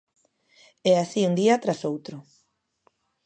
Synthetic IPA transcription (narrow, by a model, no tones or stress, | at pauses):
ɛasiund̪iat̪ɾasowt̪ɾʊ